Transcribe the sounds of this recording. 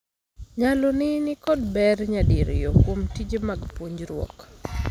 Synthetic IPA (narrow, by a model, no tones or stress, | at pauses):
ɲalonɪnɪkɔdbɛrɲadiɾ̰jokwomtid͡ʒemaɡpoɲd͡ʒɾwɔ̰k